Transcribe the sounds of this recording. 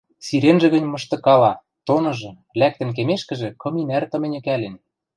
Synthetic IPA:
siɾenʒĕɣə̆nʲmɤ̆ʃt̪ɤ̆kɑlɑ | t̪onɤ̆ʒɤ̆ | læk̚t̪ɘ̆nk̬emeʃkɘ̆ʒĕkɤ̆minært̪ɤ̆mĕnʲɘ̆kælen

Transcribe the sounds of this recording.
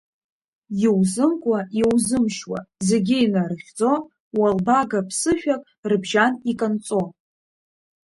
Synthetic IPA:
jiwzɨmkʷʼajewzɨmʃwa̰ze̞ɡʲɪinarɨχʲd͡zo̞ | walbaɡapʰsɨʃᶣakʼ | rɨbʒanikʼant͡sʼo̞

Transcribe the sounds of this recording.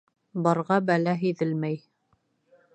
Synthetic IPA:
bɑɾʁɑbælæɦiðɘlmæj

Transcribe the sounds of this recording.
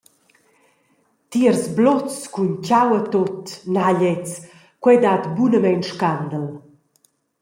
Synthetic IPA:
t̪iərzblɔt͡skuncawət̪ot̪naʎɛt͡s | kwɛd̪at̪bunəmɛnʃkand̪əl

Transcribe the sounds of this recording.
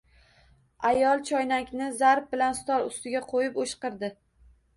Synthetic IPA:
ajɒlˠt͡ʃʰɒjnakʲnɪzaɾp̚bɪlanst̪ɒɾʊst̪ɪɡʲaqʰojɪpoʃqɨɾd̪ɪ

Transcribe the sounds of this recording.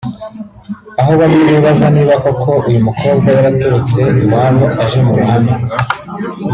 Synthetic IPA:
aɦoβaɾiβiβazaniːβako̞kʰo̞ʔujumukʰo̞ːbɡwajaɾatuɾut͡se̞iwaːɾoʔaʒe̞muɾuhaːni

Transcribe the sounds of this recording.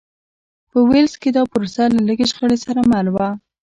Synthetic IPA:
pəwelsked̪ɑpʊɾosalaləɡeʃxəɽesaɾamalwa

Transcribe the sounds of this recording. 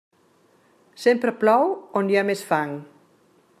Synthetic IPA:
sempɾəplawonjamesfaŋ

